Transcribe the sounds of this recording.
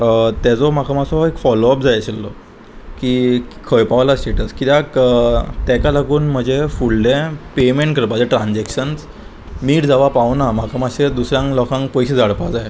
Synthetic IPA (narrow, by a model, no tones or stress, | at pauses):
t̪ɛd͡zɔm̤akəmasɔekfɔloəp̚d͡zajɕelːɔ | kiːkʰəjpaʋlasʈeʈəskit̪akt̪ɛkalaɡuːnm̤əd͡ʑefuɽɖẽpemeɳʈ̚kəɾpad͡zaʈɾãnd͡zekɕənt͡s | miːʈd͡zaʋapaʋnam̤akʰəmaɕed̪usɾjãŋklɔkʰãŋk̚pɔjɕed͡zʱaɽpad͡zaje